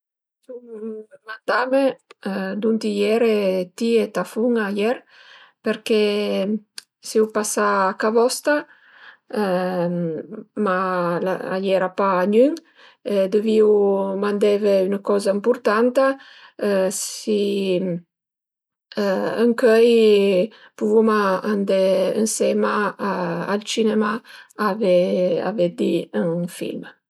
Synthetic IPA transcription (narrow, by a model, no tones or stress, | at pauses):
suŋmand̪ame | d̪unt̪ijɛɾet̪iet̪afuŋajɛɾ | peɾke | siwpasaːkavɔst̪a | malaa̰jɛɾapaːɲyŋ | ed̪əviwmand̪ɛveynakɔzaimpuɾt̪ant̪a | si | əŋkœj | puvumaand̪ɛənsɛma | alt͡ʃinɛmaavɛa̰vɛd̪iəŋfḭlm